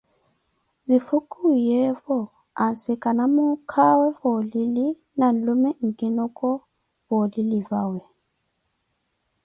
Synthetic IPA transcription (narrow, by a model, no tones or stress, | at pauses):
zifukʼujɛɸɔ | ansikʼanamukʰawɛɸɔlili | nan̩lumɛŋ̩kʼinɔkʼɔ | βɔlilivawɛ